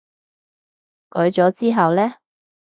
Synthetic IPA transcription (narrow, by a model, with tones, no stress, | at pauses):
kɵ˨˥ɥt͡ʃɔː˨˥t͡siː˥ɦɐ˨wlɛː˥